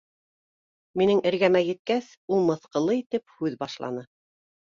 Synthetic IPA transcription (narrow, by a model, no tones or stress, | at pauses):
minɘŋʔɘ̆ɾɡæmæjɘ̆t̪̚kæs | ulˠmɤ̆θqɤ̆lˠɤit̪ɘp̚hʉðbɑʃlˠɑ̰nɤ